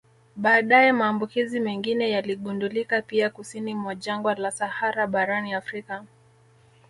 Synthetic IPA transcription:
ɓaːɗajɛmaːmbukizimɛŋɡinɛjaliɠundulikapiakusinimwaʄaŋɡwalasahaɾaɓaɾaniafɾika

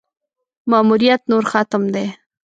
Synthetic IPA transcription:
mɑmuɾijat̪noɾxat̪əmd̪e

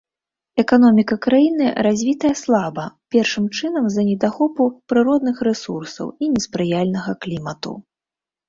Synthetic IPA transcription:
ɛkan̪ɔmʲikɐkɾajinɨɾazʲvʲit̪ɐjɐslˠabɐpʲɛrʂɨmt͡ʂɨnɐmzɐnʲɛd̪axɔpupɾɨɾɔd̪nɨxɾɛsursɐ̰winʲɛspɾɨjalʲnɐɣɐklʲimɐt̪ṵ

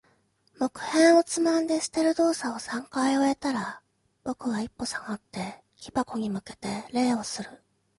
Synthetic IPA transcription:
mo̞kɯ̟̥hẽ̞ɰ̃o̞t͡sɨmãnd̪e̞sɨ̥t̪e̞ɾɯ̟d̪o̞ːsao̞sãŋkaio̞e̞t̪aɾa | bo̞kɯ̟βaipːo̞saɡat̪ːe̞ | kʲi̥bako̞ɲ̟imɯ̟ke̞̥t̪e̞ɾe̞ːo̞sɨɾɯ̟

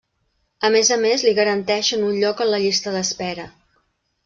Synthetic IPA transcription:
əmezəmezliɣəɾənt̪ɛʃənunʎɔkənləʎist̪əðəspɛɾə

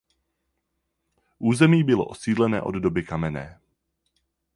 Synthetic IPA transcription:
ʔuːzɛmiːbɪlo̰ʔosiːdlɛnɛ̰ːʔoddobɪkamɛnɛː

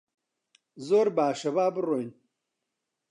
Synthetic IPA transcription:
zoɾbaːʂɐbaːbɾojn

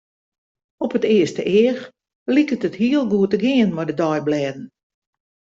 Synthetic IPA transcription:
ɔpətɪəstəʔɪːər | likətəthiəlˠɡuətəɡɪənʋɔjdədɔjblɛdn̩

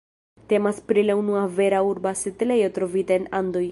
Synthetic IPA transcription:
te̞maspɾilaunuave̞ɾauɾbasetle̞jo̞tɾo̞vitaenando̞j

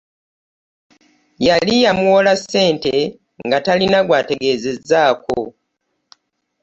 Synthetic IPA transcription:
jalijamuwo̞lase̞ːnte̞ | ŋɡatalinaɡwaːte̞ɡe̞ːze̞zaːko̰

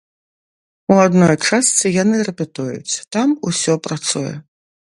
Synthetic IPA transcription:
uad̪nɔjt͡ʂast̪sɨjanɨrɛpʲɛt̪ujṵt͡sʲt̪amusʲɔpɾat̪sujɛ̰

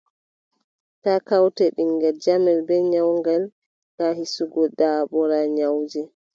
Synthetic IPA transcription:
takawtɛɗiŋɡɛɾd͡ʒamɛlbɛɲawŋɡal | ɗahisuɡɔɗaːɓɔɾaɲawd͡ʒɛ

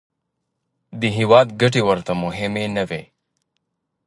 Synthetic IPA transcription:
d̪iɦiwaːd̪ɡɐʈiwɐɾt̪amʊɦɪmenɐwe

